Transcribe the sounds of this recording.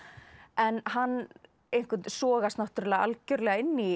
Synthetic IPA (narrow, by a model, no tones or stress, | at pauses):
ɛnɦanː | ejn̥kʏsɔːɣast̪naht̪ʏɾlɛɣaʔa̰lcœɾlɛɣaɪnːi